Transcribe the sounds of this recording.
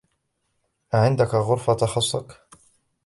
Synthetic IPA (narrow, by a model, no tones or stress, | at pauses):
ʔaʕɪnd̪akaɣʊɾˤfat̪ɑxɑsˤːɑk